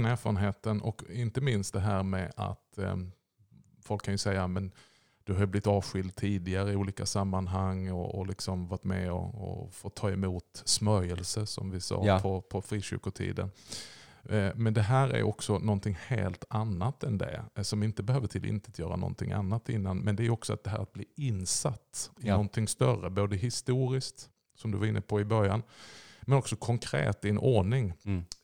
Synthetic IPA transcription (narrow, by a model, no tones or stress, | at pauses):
næːɾfɑːɾənɦeːt̪ənɔkɪnt̪əmɪnst̪d̪ɛɦæːɾmɛʔa̰t̪ | fɔlkʰːanjɵsɛjːamɛn | d̪̥ɵɦajɵblɪt̪ɑːvɧɪld̪̚t̪ʰiːd̪ɪɡaɾəɪuːliːkasamːanɦaŋːɔ̰ːlɪksɔmvɑt̪mɛ̰ɔ̰ɔ̰fot̪ʰːɑːɛmuːt̪smœɾjəlsəsɔ̰mvɪsɑ̰ːpʰɔpʰɔfɾiːɕʏ̰ɾkʊʈʰḭːd̪ə̰n | mɛnd̪ɛɦæːɾæ̰ɾjɔksɔnɔnt̪ʰɪŋhḛːlt̪anːat̪ɛnd̪ɛ̰sɔmɪnt̪əbɛhøːvəʈʰɪlʔɪ̰nt̪ət̪ʰjœːɾanɔ̰nt̪ʰɪŋʔa̰nːat̪ɪnːanmɛnd̪ɛæːjɔksɔa̰t̪̚d̪ɛɦæːɾat̪̚bliːɪnsat̪ːɪnɔnt̪ʰɪŋst̪œrəboːd̪əɦɪst̪uːɾɪskt̪ | sɔmd̪ɵvaɾɪnːəpʰɔɪbœɾjanmɛnɔksɔkʰɔŋkʰɾḛːt̪ɪɛnʔɔɳɪŋ